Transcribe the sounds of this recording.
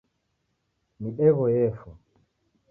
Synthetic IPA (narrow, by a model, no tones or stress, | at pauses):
miɗɛɣɔjɛfɔ